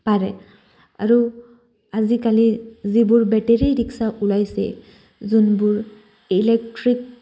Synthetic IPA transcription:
paɹɛ | a̰ɹu | azikalizibʊɹbɛʈeɹiɹiksaʔulajsɛ̰ | zunbʊɹ | ilek̚ʈɹik̚

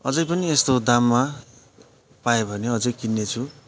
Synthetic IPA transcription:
ʌd͡zʌjpʌniest̪od̪amːa | pajebʱʌneʌd͡zʌjkinːet͡sʰu

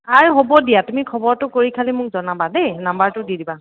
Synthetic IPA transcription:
aɹɦobɔdijatumikʰɔbɔɹtʊkoɹikʰalimʊk̚zɔnabadenambaɹtʊdidiba

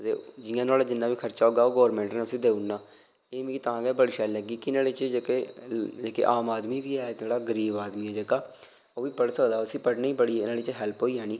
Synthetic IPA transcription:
t̪ḛːd͡ʒɪjãːnaːlaːd͡ʒɪnːãːʋiːkʰəɾt͡ʃaːoːɡaːoːɡoːɾmɛ̃ːɳʈneːʊsĩːd̪eːunːaː | eːmĩːt̪ãːɡɛːbəɽʃɛːlɛɡiːkɪnaːɽeːt͡ʃd͡ʒekeːd͡ʒeːkḛːʔaːmaːd̪miːʋiːɛːaːɽaːɡəɾiːbaːd̪miːɛːd͡ʒeːkaː | oːʋiːpəɽsoːd̪aːʊsĩːpəʈniːbəɽinaːɽeːt͡ʃɦɛːlpɦoːiːɦɛːniː

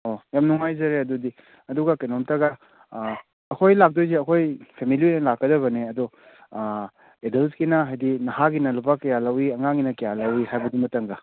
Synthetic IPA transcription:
ojamnuŋajzɐɾeɐdudi | ɐduɡɐkenɔmtɐɡɐ | ɐkʰojlak̚dojzeɐkʰojpʰemiliojɐlakːɐdɐβɐneɐdu | edelskinɐɦajdinɐhaɡinɐlupakɐjalɐwiɐŋaŋinɐkɐjalɐwihajbɐdimɐtɐŋɡɐ

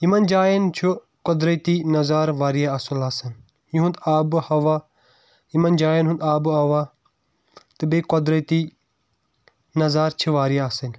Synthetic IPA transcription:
imɐnd͡ʒaːjɐnt͡ʃʰu | kɔd̪ɾɐt̪inɐzaːɾʋaːɾijaɐsulaːsɐn | jĩɦũnd̪aːbhɐʋaː | imɐnd͡ʒaːjɐnɦũnd̪aːbuɦɐʋaː | t̪ɨbekɔd̪ɾɐt̪i | nɐzaːɾt͡ʃʰiʋaːɾijaasɐn

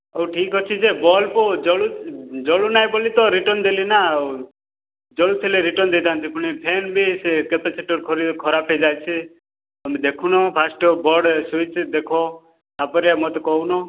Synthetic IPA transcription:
ewʈʰiːkɦɔt͡ʃʰid͡ʒebɔlpɔd͡ʒɔɭud͡ʒɔɭunajbolit̪ɔɾiʈɔnd̪elina | d͡ʒɔɭut͡ʃʰeleɾiʈɔnd̪et̪ãːnt̪ipʊɳ̃ipʰenbʱisekep̪et͡ʃʰeʈɔɾkʰɔɾikʰɔɾapɦed͡ʒajt͡ʃʰi | əmed̪ekʰunɔpʰasʈɔbɔɽsʋit͡ʃd̪ekʰɔ | apɔɾijamɔt̪ɔkɔwnɔ

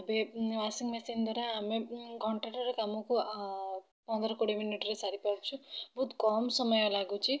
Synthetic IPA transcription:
beʋasiŋmesind̪ʱaɾaːmekɔɳʈɾeʈɐɾekamuku | pɔnd̪ɐɾɐkoɽiminiʈɾesaɾipawt͡ʃʰubʱud̪kɔːmsɔməjɐlaɡut͡ʃʰi

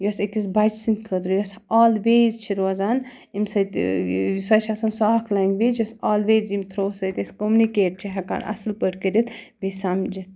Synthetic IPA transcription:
josekisbɐd͡ʒsint̪kʰəd̪ɾujɐsaːlʋeːzt͡ʃʰiɾoːzan | imsɐt̪sɐt͡ʃʰasɐnsaːkʰlaŋɡʋeːd͡ʒjɐsaːlʋeːzimt̪ʰɾoːsɐjt̪eskomunikeːʈ̚t͡ʃʰiɦɐka̰ːnɐ̰sɨlpəɽkəɾit̪ | bisamd͡ʒit̪

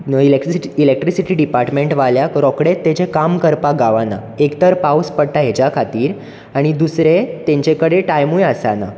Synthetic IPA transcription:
ilekilek̚ʈɾisiʈiːɖipaɾʈmeɳʈʋaljakɾɔkɽet̪ːet͡ɕẽkamkəɾpaɡaʋana̰ | ekt̪əɾpauspəɽʈaɦed͡ʑakʰat̪iːɾ | aɽ̃id̪usɾet̪ẽɲt͡ɕekəɽeʈajmujəsana̰

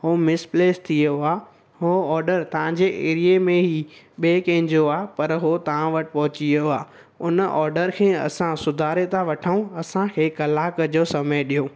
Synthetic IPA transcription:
hoːmɪspleːst̪ʰioaː | ɦoɔːɾɖəɾt̪ɐʋ̤ãɲd͡ʑeʔeːɾiemẽɦi | ɓeːkẽːɪ̃ɲd͡ʑoaːpɐɾɦot̪ɐʋ̤ãʋɐʈɪ̥̆pɐɦʊt͡ɕioaː | ʊnʔɔːɾɖəɾkʰẽːɐ̰sãsʊd̪ʱaːɾet̪ãʋɐʈʰəũɐsãkʰeːkɐlaːkəd͡ʑoːsɐməjɗijoː

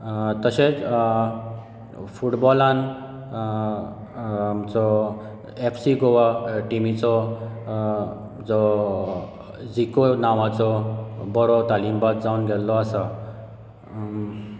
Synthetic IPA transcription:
t̪əɕet͡s | fuʈbɔlãn | t͡sɔ | epʰsiɡoʋaʈimit͡sɔ | d͡zɔ | d͡zikonaʋat͡sɔbɔɾɔt̪alimbad̪d͡zaunɡʱɛlːɔasa

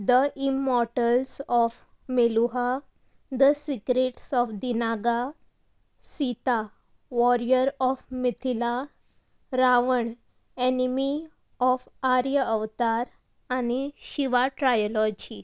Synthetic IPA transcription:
d̪əʔimːɔɾʈəlsɔf | meluɦa | d̪əsikɾeʈsɔfd̪inaɡa | sit̪a | ʋɔɾijəɾɔfmit̪ʰila | ɾaʋəɳ | enimi | ɔfaɾjəəʋt̪aɾ | añiɕiʋaʈɾajɔlɔd͡ʑi

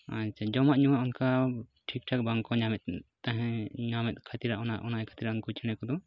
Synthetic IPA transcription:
at͡ʃʰad͡ʒɔmaʔɲuwaʔɔnkaʈʰik̚ʈʰak̚baŋkɔɲamɛt̪̚t̪aɦɛ̃ɲamɛt̪̚ˀkʰat̪iɾaʔɔnaʔɔnajkʰḁt̪iɾaʔɔnkɔt͡ʃʰɛɽ̃ɛkɔd̪ɔ

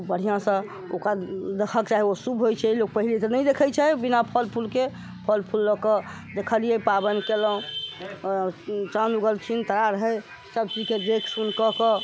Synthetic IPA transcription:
bəɽ̤ijãsə̃ | okɾad̪ekʰəkt͡ʃaɦiosubʱɦojt͡ʃʰɛilok̚pəɦilit̪ɔnəjd̪ekʰəjt͡ʃʰɛbinapʰəlpʰulke | pʰəlpʰulːəkə | d̪ekʰəlijɛpabənkeləɦ | t͡ʃanuɡəlt͡ʃʰint̪əɾaɾəɦəj | səbt͡ʃid͡ʒked̪ekʰsunkəkɔ

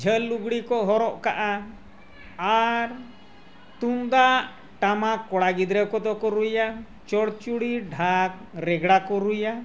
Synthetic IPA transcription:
d͡ʒʱəlːuɡɽikɔɦɔɾɔʔkaʔa | aɾ | t̪und̪aʔ | ʈamakɔɽaɡid̪ɾɛwkɔt̪ɔkɔɾuja | t͡ʃɔɽt͡ʃuɽiɖʱak̚ | ɾɛɡɽakɔɾuja

